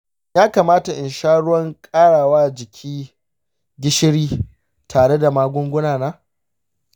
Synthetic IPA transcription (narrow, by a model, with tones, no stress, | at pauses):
jaː˦kaː˨maː˦ta˨ʔɪ˨nʃaː˦ɽʊ˦wɐ˦ŋkʼaː˦ɽaː˨waː˦d͡ʒɪ˨kʲʰiː˦ | ɡʲɪ˦ʃɪ˦ɽiː˦ | tʰaː˨ɽe˦da˨maː˦ɡʷʊ˦ŋɡʷʊ˦naː˨naː˦